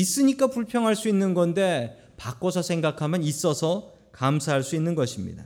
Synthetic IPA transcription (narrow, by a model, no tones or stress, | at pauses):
is͈ɯɲik͈apuɭpʰjʌŋɦaɭs͈uinːɯnɡʌnde̞ | pak͈ʌsʰʌsʰe̞ŋɡakʰamjʌnis͈ʌsʰʌ | kamsʰaɦaɭs͈uinːɯnɡʌɕʰimɲḭda̰